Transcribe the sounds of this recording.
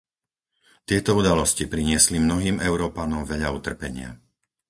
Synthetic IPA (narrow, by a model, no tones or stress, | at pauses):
t̪ɪɛt̪ɔud̪alɔscipɾiɲɪɛslimnɔɦiːmɛʊɾɔːpanɔmʋɛʎaut̪r̩pɛɲɪa̰